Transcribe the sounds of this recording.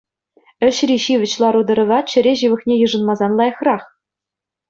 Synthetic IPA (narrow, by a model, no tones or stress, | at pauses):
ɘ̆ɕrʲiɕiʋʲɘ̆t͡ɕlˠɑɾud̪ɤ̆ɾɤ̆ʋɑt̪̚t͡ɕɘ̆ɾʲeʑɯʋɤ̆χnʲejɯ̆ʐɤ̆nmɑzɑnlˠɑjɤ̆χrɑχ